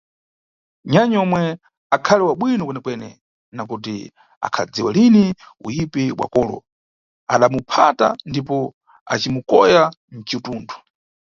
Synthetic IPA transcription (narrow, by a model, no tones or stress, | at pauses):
ɲaɲɔmwɛ | akʰalɛwaɓwinɔkwɛnɛkwɛnɛ̰ | nak̬ut̬ḭ | a̰kʰa̰d͡ziwalini | ṵjipɛɓwa̰kɔːlɔ̰ | aɗamupʰata̰ndipɔ | a̰t͡ʃimukɔjan̩t͡ʃituːndʰu̥